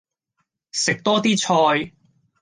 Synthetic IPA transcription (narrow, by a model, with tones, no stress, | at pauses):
sɪ˨k̚t̪ɔː˥t̪iː˥t͡sʰɔː˧j